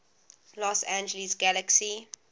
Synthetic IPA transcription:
lɔsæ̃nd͡ʒəlisɡæləksi

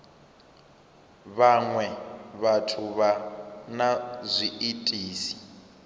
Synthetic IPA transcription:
βaŋwɛβatʰuβanazʷiʔitʼiːsi̥

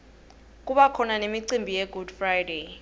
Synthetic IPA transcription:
k̬ʼuɓakʰɔnanemiǀimbʱijɛɡud̥frajde

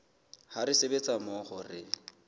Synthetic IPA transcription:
haɾɪsebet͡sʼamoχʊrɪ

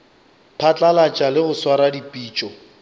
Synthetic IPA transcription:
pʰat͡ɬʼalat͡ʃʼalɪɣʊswaɾadipʼiːt͡ʃʼɔ

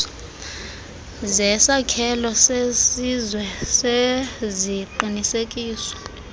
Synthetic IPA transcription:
zɛsakʰɛlɔsesizwɛseziǃinisekʼiːswɔ̥

